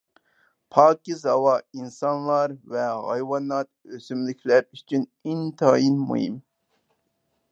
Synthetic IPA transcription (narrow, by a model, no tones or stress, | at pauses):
pʰɑːkʲizɑwɑinsɑnlˠɑɾvɛʁɑ̰jwɑnɑt̪̚øsymlikʲʰlæɾyt͡ʃʰynint̪ʰɑinmṵḭm